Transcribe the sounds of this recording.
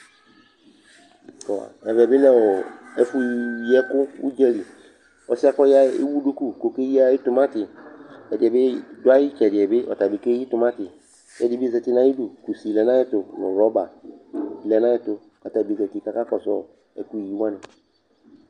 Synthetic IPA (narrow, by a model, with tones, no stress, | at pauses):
kɔ˨a̰˨ɛ˨vɛ˨bɪ˦lɛ˦wɔ˨ɛ˦fu˦jɛ˦kʊ˦wṵ˦d͡ʒɛ˦li˨ | ɔ˦sɪ˦a˦kɔ˦ja˦ḛ˦wu˦ɖo˦ku˦˨ko˨ke˦ji˦a˦jɪ˦tʊ˨mã˦tɪ˨ɛ˨dɪ˨ɛ˨bɪ˦dʊ˦a˦jɪ˦t͡ʃɛ˨dɪ˨ɛ˨bɪ˦ʔɔ̰˨ta˨be˨ke˦i˦tʊ˨mã˦tɪ˨ | jɛ˦dɪ˦bzɛ˨tɪ˦nã˦ji˦du˨ku˨si˨lɛ˨nã˦ɪ˦tʊ˨nʊ̃˨ɾɔ˦ba˨ | lɛ˨nã˦jɪ˦tʊ˨ka˨ta˨bi˨zɛ˨tɪ˨ka˦ka˦kɔ˨sɔ̰˦˨ | ɛ̰˨ku˦i˨ji˦wã˦nɪ̃˨